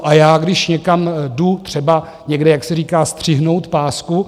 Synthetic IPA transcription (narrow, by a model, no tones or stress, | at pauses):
ʔajaːɡdɪʃɲɛkamdut̪r̝̥ɛba | ɲɛɡdɛjaksɛɾiːkaːst̪r̝̥ɪɦnowt̪paːsku